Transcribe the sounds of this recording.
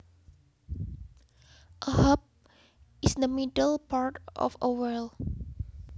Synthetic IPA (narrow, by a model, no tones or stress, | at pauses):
ʔəhap̚ | isdəmidəlpaɹtɔ̰fəwɛl